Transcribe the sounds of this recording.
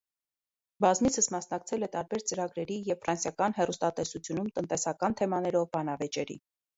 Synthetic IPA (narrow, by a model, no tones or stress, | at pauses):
bɑzmit͡sʰəsmɑsnɑkt͡sʰɛlɛt̪ɑɾbɛɾt͡səɾɑɡɾɛɾijɛvfɾɑnsjɑkɑnɦɛrust̪ɑt̪ɛsut͡sʰjunumt̪ənt̪ɛsɑkɑnt̪ʰɛmɑnɛɾɔvbɑnɑvɛt͡ʃɛɾḭ